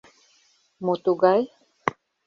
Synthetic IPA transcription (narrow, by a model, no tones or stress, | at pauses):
mot̪uɡaj